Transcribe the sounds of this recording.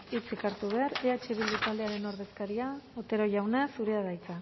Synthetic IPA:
it͡sikaɾt̪uβ̞e̞aɾeat͡ʃeβild̪ut̪ald̪eaɾe̞no̞ɾðe̞skaɾiaot̪e̞ɾo̞ʝawnesuɾeaðajt͡sa

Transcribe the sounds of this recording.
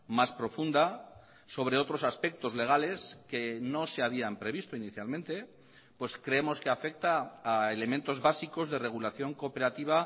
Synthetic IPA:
maspɾo̞fund̪a | so̞β̞ɾe̞o̞t̪ɾo̞saspe̞k̚t̪o̞zle̞ɣ̞ale̞ske̞no̞seaβ̞iampɾe̞βist̪oiniθjalmẽnt̪e̞ | pwe̞skɾe̞emo̞ske̞afe̞k̚t̪aːele̞mẽnt̪o̞zβasiko̞zðe̞re̞ɣ̞ulaθjo̞ŋko̞pe̞ɾat̪iβ̞a

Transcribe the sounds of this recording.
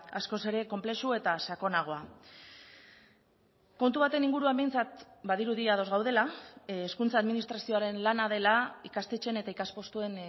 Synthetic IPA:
asko̞se̞ɾe̞ko̞mple̞sue̞t̪asako̞naɣ̞o̞a | ko̞nt̪uβat̪e̞niŋɡuɾuamejnt͡sat̪baðiɾuðiað̞o̞zɣawð̞e̞laːskunt͡saːðminist̪ɾasio̞aɾe̞nlanað̞e̞laikast̪e̞t͡ʃe̞ne̞t̪aikaspo̞st̪ue̞n

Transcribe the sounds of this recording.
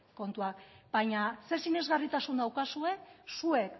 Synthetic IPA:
ko̞nt̪uakbaɲase̞ɾsiɲe̞zɣarit̪asund̪awkasue̞sue̞k

